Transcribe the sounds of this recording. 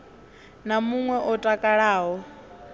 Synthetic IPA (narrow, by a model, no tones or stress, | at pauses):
namuŋwɛʔɔtʼakʼaɺaːɦɔ